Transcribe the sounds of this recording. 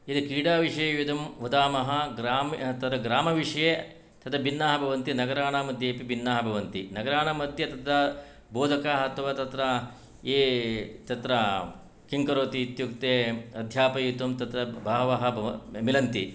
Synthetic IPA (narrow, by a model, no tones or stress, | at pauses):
id̪ɐkiːɽaːʋiʂɐjɐjud̪ɐmʋɐd̪aːmɐɦɐ̆ɡɾaːmt̪ɐt̪ɾɐɡɾaːmɐʋiʂɐje | t̪ɐt̪ɾɐbinːaːɦɐbʱɐʋɐnt̪inɐɡɐɾaːɳaːmɐd̪ʱjeːpibʱinːaːɦɐbʱɐʋɐnt̪ḭnɐɡɐɾaːɳɐmɐd̪ʱjɐt̪ɐt̪ɾɐ | boːd̪ʱɐkaɐt̪ʰɐʋaːt̪ɐt̪ɾɐ | eːt̪ɐt̪ɾɐ | kiŋkɐɾoːt̪iːt̪jukt̪eːɐd̪ʱjaːpɐjut̪umt̪ɐt̪ɾɐbʱɐːɦɐʋɐɦɐbʱɐmilɐnt̪ḭ